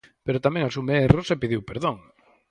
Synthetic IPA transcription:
peɾot̪amẽŋasumeerosepiðiwpeɾðõŋ

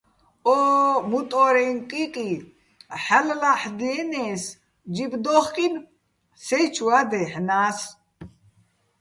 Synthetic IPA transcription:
ɔmut̪ʼɔɾɛnqʼiqʼi | ħallaħd̪inɛːs | d͡ʒibd̪ɔχkʼin | sɛjt͡ʃʰuad̪ɛħnaːs

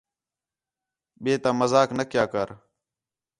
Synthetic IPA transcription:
ɓeːt̪ãːməzaːknəkjaːkəɾ

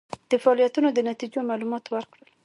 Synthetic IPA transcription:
d̪̥əfaɑlijat̪unod̪ənat̪id͡ʒomɑlumɑt̪wəɾkɽəl

